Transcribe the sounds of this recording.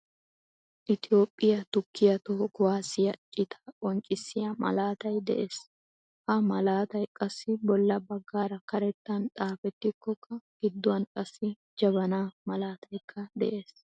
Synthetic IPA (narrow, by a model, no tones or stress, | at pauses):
ʔɪt̪ɪjo̞ːpʼːɪjɐt̪ʊkʰːɪjɐt̪ɔɔkʊwaːsɪjɐt͡ʃʼɪt̪ʰɐ̥ʔʼɔŋt͡ʃʼɪsːɪjɐmɐ̰laːt̪ɐjd̪ɛ̰ʔeːs | hɐmɐlaːt̪ɐjkʼɐsːɪbɔlːɐbɐɡːaːɾɐkɐɾɛt̪ːɐntʼaːfɛt̪ːɪkːɔkːɐɡ̥ɪd̪ːʊwɐnkʼɐsːɪ | d͡ʒɐβɐnaːmɐlaːt̪ʰɐjkʰːɐd̪ɛ̰ʔeːs